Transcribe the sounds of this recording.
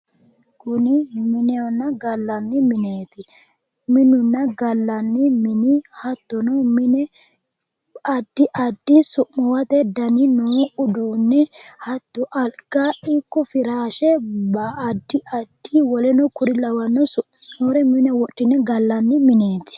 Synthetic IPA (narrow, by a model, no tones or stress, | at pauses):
kʊnɪmɪnɛɔnːɐɡɐlːɐnːɪmɪneːt̪ɪ | mɪnʊnːɐɡɐlːɐnːɪmɪnɪhɐt̪ːɔnɔmɪnɛ | ɐd̪̥ːɪʔɐd̪ːɪsʊʔmɔwɐt̪ɛd̪ɐnɪnoːʔʊd̪uːnːɛhɐt̪ːʊʔɐlɡ̥aʔɪkːɔfɪɾaːʃɛbɐːd̪ːɪʔɐd̪̥ːɪwɔlɛnɔkʊɾɪlɐwɐnːɔsʊʔoːɾɛmɪnɛwɔɗːɪnɛɡɐlːɐnːɪmɪneːt̪ːɪ̥